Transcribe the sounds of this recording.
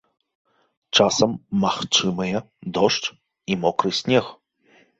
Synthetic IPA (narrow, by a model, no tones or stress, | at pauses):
t͡ʂasɐmːaxt͡ʂɨmɨjɐ | d̪ɔʂt͡ʂ | imɔkɾɨsʲnʲɛx